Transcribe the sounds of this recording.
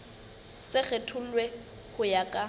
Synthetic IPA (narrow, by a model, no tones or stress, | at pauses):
sɪɣetʰʊl̩lwe | hʊjakʼa